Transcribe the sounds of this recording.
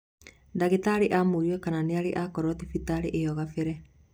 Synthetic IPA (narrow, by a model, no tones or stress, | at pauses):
daɣetaɾeʔaːmoɾiwɛkananeaɾeʔakɔɾɔtefitaɾeʔejɔɣafeɾɛ